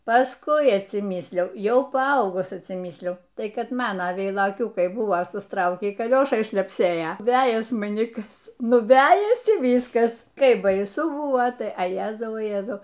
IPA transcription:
pɐsˈkʊɪ ɐtʲsʲɪˈmʲiːsʲlʲɛʊ ˈjɛʊ pɐˈɐʊɡʊs ɐtʲsʲɪˈmʲiːsʲlʲɛʊ ˈtɐɪ ˈkɐt ˈmɑːnɐ ʋʲɛɪlˠoːˈkʲuːkɐɪ ˈbʊʋoː sʊsˈtrɐʊkʲiː kɐˈlʲoːʃɐɪ ʃʲlʲɛpʲˈsʲeːjɛ ˈʋʲæːjɛs mɐˈnʲɪ ˈkɐs ˈnʊ ˈʋʲæːjɛsʲɪ ˈʋʲiːskɐs ˈkɐɪp bɐɪˈsʊ ˈbʊʋoː tɐɪ ɐ ˈjæːzɐʊ oː ˈjæːzɐʊ

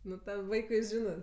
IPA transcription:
ˈnʊ tɐm ˈʋɐɪkʊɪ ˈʒʲɪnɜ

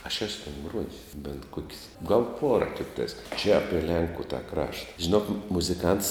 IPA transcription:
ɐʃ ˈæːsʊ tʲɛn ˈɡruɔjɪs bʲɛnt ˈkuɔkʲsʲ ɡɐlˠ ˈpuɔrɐ ˈtʲɪktɐɪs t͡ʃʲɛ ˈɑːpʲiɛ ˈlʲɛŋkʊ tɐ ˈkrɑːʃtɐ ʒʲɪˈnoːk mʊzʲɪˈkɐnts

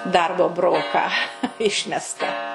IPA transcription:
ˈdɐrboː ˈbroːkɑː ˈɪʃʲmʲɛstɐ

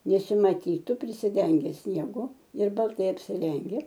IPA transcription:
nʲɛsʲɪmɐˈtʲiːtʊ pʲrʲɪsʲɪˈdʲɛŋʲɡʲɛ sʲnʲiɛˈɡʊ ɪr bɐlˠˈtɐɪ ɐpʲsʲɪˈrʲɛŋʲɡʲɛ

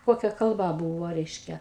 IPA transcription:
ˈkoːkʲɛ kɐlˠˈbɐ ˈbuːʋoː ˈrʲɛɪʃʲkʲɛ

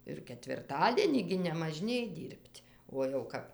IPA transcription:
ɪr kʲɛtʲʋʲɪrˈtɑːdʲiɛnʲiː ɡʲɪ nʲɛmɐˈʒʲnʲeːj ˈdʲiːrʲpʲtʲ uɔ jɛʊ ˈkɐp

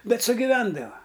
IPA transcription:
ˈbʲɛt sʊɡʲɪˈʋʲɛndɐʋɐ

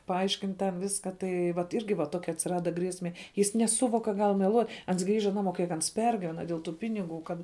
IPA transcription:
pɐˈɐɪʃʲkʲɪnt tʲɛn ˈʋʲɪskɐ ˈtɐɪ ʋɐt ˈɪrʲɡʲɪ ʋɐ ˈtoːkʲɛ ɐtʲsʲɪˈrɑːdɐ ˈɡrʲiɛsʲmʲɛ ˈjɪs nʲɛˈsʊʋoːk kɐ ˈɡɐlˠ mʲɛˈlˠuɔtʲ ˈɐns ˈɡrʲiːʒɐ ˈnɑːˌmoː ˈkʲiɛk ɐns ˈpʲɛrʲɡʲiːʋʲɛnɐ dʲeːlˠ tuː ˈpʲɪnʲɪˌɡuː ˈkɐt

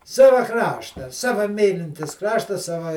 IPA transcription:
ˈsɑːʋɐ ˈkrɑːʃtɐ ˈsɑːʋɐ ˈmʲiːlʲɪnʲtʲɪs ˈkrɑːʃtɐ ˈsɑːʋɐ

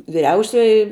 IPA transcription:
ʋʲɪˈrʲɛʊsʲoːjɪ

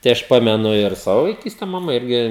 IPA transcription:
tɐɪ ˈɐʃ ˈpɑːmʲɛnʊ ɪr ˈsɑːʋoː ʋɐɪˈkʲiːsʲtʲɛ mɐˈmɐ ˈɪrʲɡʲɪ

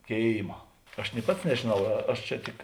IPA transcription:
ˈkʲeːɪmɐ ɐʃ nʲɪ ˈpɐts nʲɛʒʲeːˈnɐʊ ˈɐʃ t͡ʃʲɛ ˈtʲɪk

